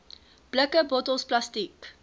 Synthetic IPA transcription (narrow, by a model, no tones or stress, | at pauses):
b̥ləkəbɔtəlˠsplastik